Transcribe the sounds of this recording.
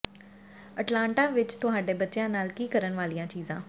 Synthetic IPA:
əʈlãːɳʈãːʋɪt͡ʃt̪ʊɦaːɖeːbətːʃjãːnaːlkiːkəɾənʋaːlijãːt͡ʃiːzãː

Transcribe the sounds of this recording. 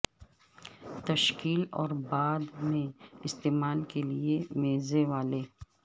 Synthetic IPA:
t̪ɐʃkiːlɔːɾbaːd̪mẽɪst̪eːmaːlkeliemeːzeʋaːleː

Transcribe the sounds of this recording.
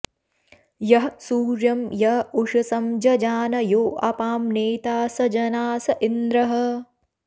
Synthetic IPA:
jɐɦɐsuːɾjɐmjɐɦɐuʃɐsɐmd͡ʒɐd͡ʒaːnɐjoːʔɐpaːmneːt̪aːsɐd͡ʒɐnaːsɐʔind̪ɾɐɦɐ

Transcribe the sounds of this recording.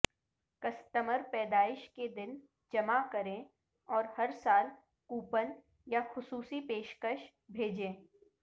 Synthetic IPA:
kɐst̪əməɾpɛːd̪aːɪʃked̪ɪn | d͡ʒɐmakɐɾẽ | ɔːɾhɐɾsaːl | kuːpən | jaxʊsuːsipeːʃkəʃ | bʱeːd͡ʒẽː

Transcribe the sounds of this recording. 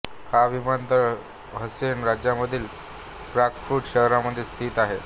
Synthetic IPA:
haʋimant̪əɭ | ɦəsenɾad͡ʑjaməd̪ʱiːl | fɾakfɾuːʈɕəɦɾaməd̪ʱːjest̪ʰiːt̪aɦe

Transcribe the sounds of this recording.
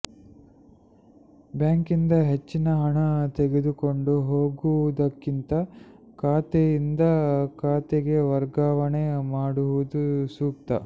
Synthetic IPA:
bjaːŋkind̪ɐɦe̞t͡ʃːinɐɦɐɳɐt̪eɡe̞d̪uko̞ɳɖuɦo̞ːɡuʋud̪ɐkːint̪ɐ | kaːt̪ejind̪ɐkaːt̪eɡe̞ʋɐɾɡaːʋɐɳemaːɽuʋud̪usuːk̚t̪ɐ̰

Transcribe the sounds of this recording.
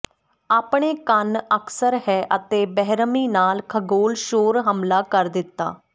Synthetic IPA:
aːpɳ̃eːkənəksəɾhɛːʔət̪eːbɛɦɾəmiːnaːlkʰəɡoːlʃoːɾɦəmlaːkəɾd̪ɪt̪ːa̰ː

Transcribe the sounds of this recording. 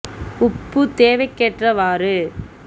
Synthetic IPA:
ʊpːɯt̪eːʋɐɪkːeʈrɐʋaːɾɯ

